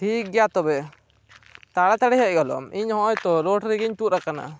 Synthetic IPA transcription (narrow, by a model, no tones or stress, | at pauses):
ʈʰik̚ɡɛjat̪ɔbɛ | t̪aɽat̪aɽɛɦɛʔ̚ɡɔlɔ̰miɲhɔ̃jt̪ɔɾoʈɾiɡiɲtut̪̚ɾakana̰